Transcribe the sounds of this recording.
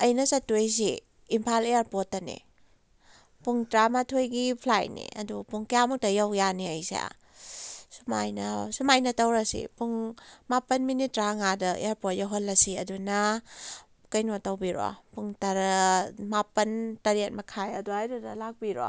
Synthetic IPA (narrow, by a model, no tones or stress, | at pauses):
ɐjnɐsɐtujs̬iː | mpʰaleaɾpotːɐnḭ | puŋtɾamatʰojɡipʰlajnḭʔɐ̰dupuŋkjamutɐjawjaniɐjsḭa̰ | sumajnɐsumajnɐtɐwɾɐsḭpuŋmapɐnminitɾaŋadɐʔḛaɾpot̚jaɦɔnlːɐsiɐduna | kɐjnotɐwbiɾo̰puŋtaɾɐmapɐntɐɾet̚mɐkʰajɐduajdudɐlak̚biɾɔ̰